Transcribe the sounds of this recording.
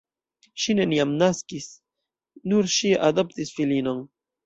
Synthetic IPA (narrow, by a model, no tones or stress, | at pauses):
ʃineniamnaskis | nuɾʃiʔad̪opt̪isfilinon